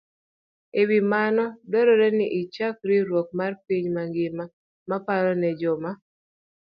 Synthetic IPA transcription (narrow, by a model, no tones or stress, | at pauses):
ewimanɔdoɾɔɾɛnɪʔɪt͡ʃak̚ɾiɾwok̚marpiɲmaŋɡɪma | mapaɾɔnɛd͡ʒɔma